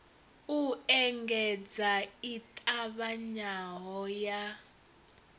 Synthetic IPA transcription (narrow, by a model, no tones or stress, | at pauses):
uɛŋɡɛd͡zaitʼaβaɲaɦɔja